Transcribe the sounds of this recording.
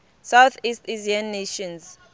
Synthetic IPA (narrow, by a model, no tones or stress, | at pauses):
sawθisteziãnːeʃɔ̃nz